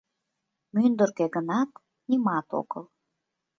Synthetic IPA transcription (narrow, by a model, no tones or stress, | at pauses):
mynd̪ərkeɣənɑt̪ | nimɑt̪o̰ɣə̰l